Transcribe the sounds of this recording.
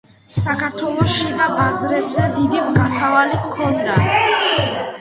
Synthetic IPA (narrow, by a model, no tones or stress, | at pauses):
sakʰaɾt̪ʰwɛlˠɔʃid̪abazɾɛbzɛd̪id̪imɡasavalikʰɔnd̪a